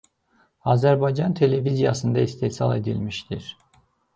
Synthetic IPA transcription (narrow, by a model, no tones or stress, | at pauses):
ɑzæɾbɑjd͡ʒɑnt̪ʰe̞le̞vizijɑ̰sɯnd̪ɑist̪ʰesɑ̰lˠe̞d̪ḭlmiʃt̪iɾ̥